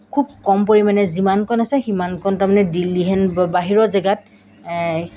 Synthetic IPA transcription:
kʰub̚kɔmpoɹimanɛzimankɔnasɛximankɔntamanɛdiliɦɛnbaɦiɹɔzɛɡat̚

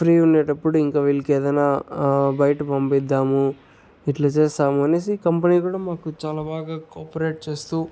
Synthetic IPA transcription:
pʰɾiːunːeːʈɐpːuɽuiŋkaːʋilkɛːd̪ɐjnaːbɐjʈupɐmpid̪ːaːmu | iʈlɐt͡ʃeːst̪aːmuɐneːsikɐmpɐniːkuːɽaːmaːkut͡ʃaːlaːbaːɡaːkoːpɐɾeːʈ̚t͡ʃe̞ːst̪uː

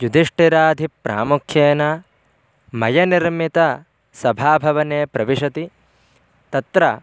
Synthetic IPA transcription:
jud̪ʱiʂʈiɾaːd̪ʱipɾa̰ːmukʰjeːnaː | mɐjɐniɾmit̪ɐ | sɐbʱaːbʱɐʋɐneːpɾɐʋiʃɐt̪i | t̪ɐt̪ɾɐ

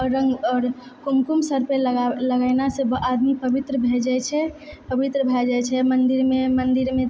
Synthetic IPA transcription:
ɔəŋɡɔːɾ | kumkumsəɾpelləɡənasebʔad̪mipəbit̪ɾəbʱed͡ʒɛt͡ʃʰɛpəbit̪ɾəbʱɛd͡ʒɛt͡ʃʰɛmənd̪iɾmemənd̪iɾmẽ

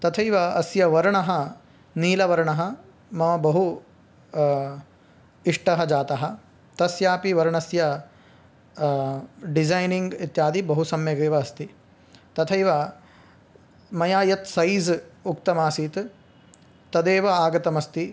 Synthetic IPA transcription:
t̪ɐt̪ʰɐjʋɐɐsjɐʋɐɾɐɳɐɦɐ | niːlɐʋɐɾɐɳɐɦɐ̆ | mɐʋɐbɐɦu | iʂʈɐɦɐd͡ʒaːt̪ɐɦɐ | t̪ɐsjaːpiʋɐɾɐɳɐsjɐ | ɖizajniŋɡit̪jaːd̪ibɐɦusɐmjɐɡeːʋɐːst̪i | t̪ɐt̪ʰɐjʋɐ | mɐjaːjɐt̪sɐjzukt̪ɐmaːsiːt̪ | t̪ɐd̪eːʋɐaːɡɐt̪ɐmɐst̪i

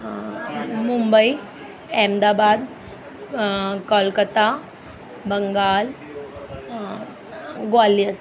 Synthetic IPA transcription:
mumbəi | ɛmd̪abad̪ | kɔlkət̪a | bəŋɡal | ɡoaliə

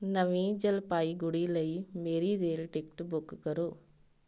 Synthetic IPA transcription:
nɐʋiːd͡ʒɐlpaːjiɡuɽilɐjmeɾideːlʈekʈbʊkːkɐɾu

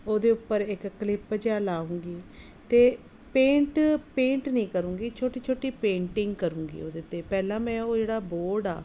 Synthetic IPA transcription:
oːd̪eːʊpːəɾɪkkəlɪpd͡ʒaːlaːũːŋɡiː | t̪eː | pẽːɳʈpẽːɳʈnĩːkəɾũːɡiːt͡ʃʰoːʈiːt͡ʃʰoːʈiːpẽːʈɪŋɡkəɾũːŋɡḭːo̰ːd̪eːt̪eːpɛːlãːmɛ̃ːoːd͡ʒeːɽaːboːɖa̰ː

